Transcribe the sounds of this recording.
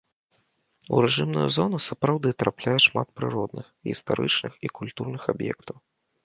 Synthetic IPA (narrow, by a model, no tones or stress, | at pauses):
ṵɾɛʐɨmnṵjṵzɔnusapɾawd̪ɨt̪ɾaplʲajɛʂmat̪̚pɾɨ̰ɾɔd̪nɨxɣʲist̪a̰ɾɨ̰t͡ʂnɨxikulʲt̪urnɨxabjɛ̰kt̪ɐw